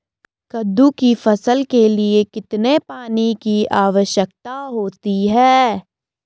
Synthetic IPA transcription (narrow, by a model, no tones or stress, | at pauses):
kɐd̪ːukifɐsəlkeliekɪt̪nepaːnikiʔaːʋəʃjək̚t̪aɦoːt̪iɦɛː